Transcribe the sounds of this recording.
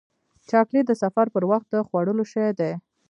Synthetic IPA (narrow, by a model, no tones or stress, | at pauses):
t͡ʃɑkled̪əsafaɾpəɾwaxt̪̚d̪əxwaɽəloʃəjd̪e